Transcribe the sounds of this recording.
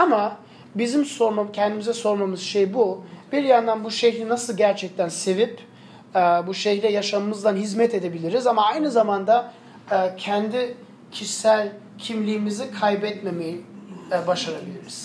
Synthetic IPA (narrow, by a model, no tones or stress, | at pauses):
ama | bizimso̞ɾmacʰɛnd̪imizɛso̞ɾmamɯz̥ʃejbubiɾjand̪anbuʃɛçlʲinasɯlˠɟæɾt͡ʃʰɛc̚t̪ʰænse̞vip | ɛbuʃɛçlʲɛjaʃamɯmɯzd̪ˠanɦizmɛt̪ʰe̞d̪e̞bilʲiɾizamaajnɯzamand̪a | cʰɛnd̪i | cʰiʃsælʲ | cʰimlʲiːmizikʰajbɛt̪me̞mejibaʃaɾabilʲiɾiz̥